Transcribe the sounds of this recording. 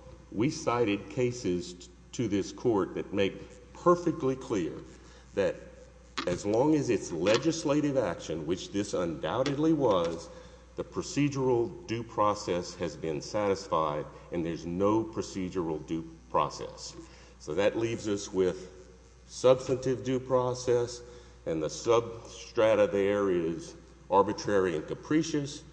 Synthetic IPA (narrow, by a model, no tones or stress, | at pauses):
wisaɪɾɨd̚kʰeɪsɪz̥ | tʰɨðɪskʰɔɹt̪̚ðɨt̚meɪk | pʰɜ˞fɨk̚tʰˡlikʰl̥ɪɹ | ðɨɾ | ɨzlɔ̃ŋɨzɨtslɛd͡ʒɨsleɪɾɨvækʃɨ̃nwɨt͡ʃðɪsə̃nda̰ʊɾɨdˡliwʌz | ðɨpʰɹ̥ɨsid͡ʒə˞l̩ˠdʉpʰɹ̥ɔsɛshɨzbɪ̃nsæɾɨsfaɪɾɨ̃nðə˞znoʊpʰɹ̥ɨsid͡ʒə˞l̩ˠdʉpʰɹ̥ɔ̰sɛ̰sː | oʊðɨʔˡlivzʌswɪð̥ | sʌb̥stɨ̃ntɪvdʉpʰɹ̥ɔsɛs | ɨ̃nðɨsʌb̚stɹ̥æɾɨðə˞ɪz | ʔɑɹbɨtʰɹ̥ɛɹiɨ̃nkɨpʰɹ̥iʃɨs